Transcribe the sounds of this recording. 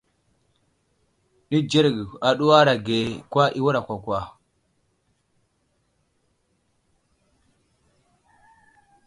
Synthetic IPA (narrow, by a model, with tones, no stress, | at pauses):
ni˦d͡ʒe˦ɾɡa˨ɗu˦wa˦ɾa˨ɡe˨kwa˦ʔi˦wu˦ɾa˨kʷa˨kʷa˨